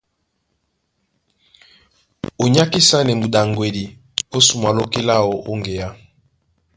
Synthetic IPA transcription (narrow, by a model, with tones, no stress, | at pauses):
o˨ɲa˦ki˦sa˦nɛ˨mu˨da˨ŋɡwe˨di˨ | o˦su˨ma˨lo˦ki˦la˦o˨ʔo˦ŋɡe˨ja˦